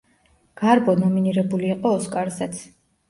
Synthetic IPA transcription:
ɡ̥aɾbɔnɔminiɾɛbuliːqʼɔːskʼaɾzɛt̪sʰ

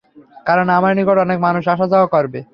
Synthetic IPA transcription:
kaɾonamaɾnikoʈɔnekmanuʃ̬aʃ̬ad͡ʑaɦokɔɾbe

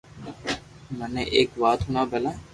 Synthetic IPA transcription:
məneʔeːkʋaːt̪ɦʊnaːbɛlaː

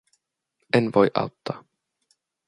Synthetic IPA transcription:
ʔenʋojʔɑ̰wt̪ːɑː

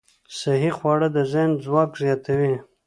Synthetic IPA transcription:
saɦiχwɑɽəd̪əzanzwɑkzjɑt̪awi

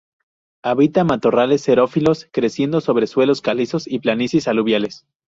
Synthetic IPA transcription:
aβit̪amat̪o̞rale̞sːe̞ɾo̞filo̞skɾe̞sje̞nd̪oso̞β̞ɾeswe̞lo̞skaliso̞siplanisisaluβjale̞s

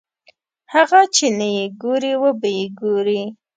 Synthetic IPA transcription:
haɣat͡ʃenajeɡoɾiwəbajeɡoɾi

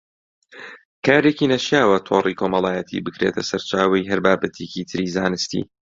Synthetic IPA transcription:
kʰaːɾeciːnɐʃjaːwɐt̪ʰoːrikʰoːmɐlˠaːjɛt̪ʰḭbɨkɾḛːt̪ʰɐsɐɾt͡ʃaːwɐjɦɐɾbaːbɐt̪ʰecit̪ʰɨɾiːzaːnɨst̪ḭː

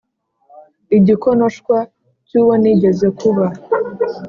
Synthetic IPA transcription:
iɟikonoʃkwa | cuwoniɟezekuβa

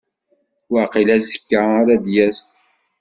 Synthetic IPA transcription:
waqilæzəkːaɾæd̪jæs

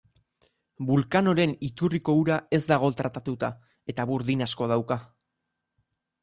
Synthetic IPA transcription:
bulkano̞ɾe̞nit̪uriko̞uɾae̞zd̪aɣ̞o̞t̪ɾat̪at̪ut̪a | e̞t̪aβuɾðinasko̞ð̞awka

